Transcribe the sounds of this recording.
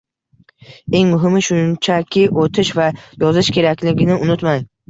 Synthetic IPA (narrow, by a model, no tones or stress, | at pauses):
e̞ŋmʊɦɪmɪʃʊnt͡ʃʰakʲʰɪʔot̪ʰɪʃvajɒzɪʃkʲʰe̞ɾakʲlɪɡʲɪnɪʊnʊt̪maj